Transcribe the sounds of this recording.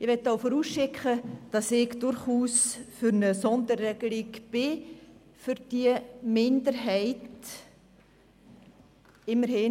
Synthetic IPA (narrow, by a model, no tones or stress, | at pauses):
ɪʋɛt̪ːaʊfɔɾuːsʃɪkχəd̥ɑsɪɡd̥ʊɾχuːsfʏɾnəsɔndəɾːɛɡ̥əlɪɡb̥ɪ | fʏɾd̥iəmɪndəɾɦɛɪt | ɪmːəɾhɪ